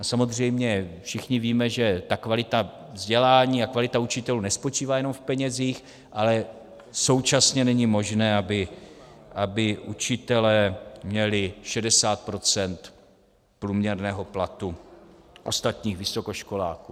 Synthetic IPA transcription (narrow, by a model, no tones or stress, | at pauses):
asamo̞zr̝ɛjmɲɛfʃɪxɲɪviːmɛʒɛt̪akvalɪt̪a | vzɟɛlaːɲiːakvalɪt̪aut͡ʃɪt̪ɛluːnɛspo̞t͡ʃiːvaːjɛno̞mfpɛɲɛziːx | ʔalɛ | so̞wt͡ʃasɲɛnɛɲɪmo̞ʒnɛːabɪ | ʔabɪʔut͡ʃɪt̪ɛlɛːmɲɛlɪʃɛdɛsaːt̪̚pɾo̞t͡sɛnt̪ | pɾuːmɲɛɾnɛːɦo̞plat̪u | ʔo̞st̪at̪ɲiːxvɪso̞koʃko̞laːkuː